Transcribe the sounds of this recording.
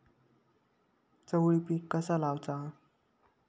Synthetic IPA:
t͡səwɭipikːəsalawt͡sa

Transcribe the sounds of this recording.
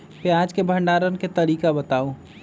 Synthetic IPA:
peaːd͡ʒkebʱə̃ɳɖaːɾənket̪ɐɾiːkabət̪aːũ

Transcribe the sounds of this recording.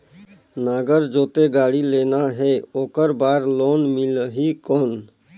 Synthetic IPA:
naːɡəɾd͡ʒoːt̪eɡaːɽileːnaɦɛːoːkəɾbaːɾloːnmɪlɦikoːn

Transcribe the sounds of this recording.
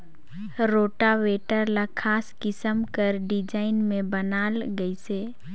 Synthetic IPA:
ɾoːʈaweːʈəɾlakʰaːskɪsəmkəɾɖɪd͡ʒaːɪnmẽbənaːlɡəiseː

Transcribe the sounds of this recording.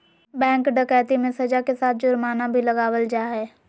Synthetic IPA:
bɛ̃ːŋkɖəkɛːt̪imẽsɐd͡ʒakesaːt̪̚ʰd͡ʒʊɾmaːnabʱiləɡaːwəld͡ʒaːɦɛː

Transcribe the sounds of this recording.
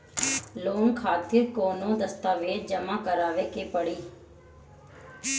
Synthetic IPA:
loːnkʰaːt̪ɪɾkoːnõːd̪əst̪aːʋeːd͡ʒəmãːkəɾaːʋeːkeːpəɽiː

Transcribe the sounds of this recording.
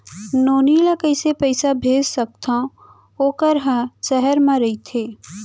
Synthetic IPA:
noːniːlakɐɪsepəɪsabʱeːd͡ʒsək̚t̪aõ | oːkəɾɦãʃɛɦəɾmãɾɐit̪ʰeː

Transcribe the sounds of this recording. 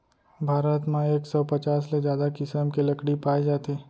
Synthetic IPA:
bʱaːɾət̪mãeːksɔpɐt͡ʃaːssezjaːd̪akɪsəmkelɐkɽipaːed͡ʒaːt̪eː

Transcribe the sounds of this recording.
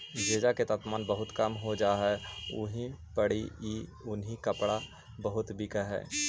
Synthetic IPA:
d͡ʒeːd͡ʒaket̪ap̪maːnbəɦʊt̪kəmɦod͡ʒaːɦɛʊ̰ɦĩpəɽiiʊnɦikɐpɽa | bəɦʊt̪bʱikəɦɛ̰ː

